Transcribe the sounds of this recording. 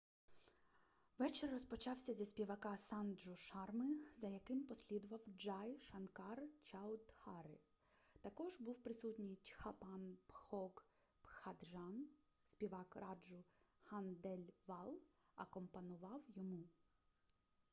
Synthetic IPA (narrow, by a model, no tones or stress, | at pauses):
ʋɛt͡ʃɪrrɔspɔt͡ʃɑwsʲɐzɐsʲpʲiʋɐkɑsɑnd̪ʒʊʃɑrmɪzɐjɐkɪmpɔsʲlʲid̪ʊʋɐwd͡ʒɑjʃɐnkɑrt͡ʃɑwd̪hɑɾɪ | t̪ɐkɔʒbuwpɾɪsutʲnʲitʲxɐpɑnpxɔɡ | pxɐd̪ʒɑn | sʲpʲiʋɑkɾɑd͡ʒʊhɑnd̪ɛlʲʋɑlˠɐkɔmpɐnʊʋɑwjɔmu